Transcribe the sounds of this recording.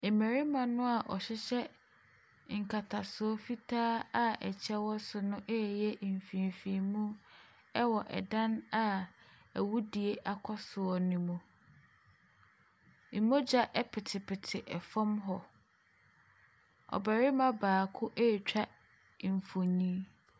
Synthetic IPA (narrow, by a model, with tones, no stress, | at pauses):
e˨mæ˨ɾi˦mã˨nʊ̃˦a˨ʔɔ˨ɕɪ˦ɕɛ˦ | ŋ̩˨kʰa˨tʰa˨sʊ˨ɔ˦fi˦tʰaː˦a˦ɛ˨t͡ɕʰɛ˦wɔ˦sʊ˨nʊ̃˦ʔɛ˦˨jɛ˦˨m̩˨fĩ˨m˨fĩ˨mũ˦ | ɛ˦wɔ˨ʔɛ̰˨dã˦na˨æ˨wu˦di˨e˦ʔa˦kʰɔ˦sʊ˨ɔ˦nĩ˨mũ˨ | i˨mo˦d͡ʑa˦ʔɛ˦pʰɪ˨tʰɪ˨pʰɪ˨tʰɪ˨ʔɛ˨fɔ̃˦mɦɔ˨ | ɔ̰˨ba˨ɾɪ˦mã˦baː˨kʰʊ˦ʔe˦˨t͡ɕᶣa˦˨ | m̩˨fo˨ɲĩ˦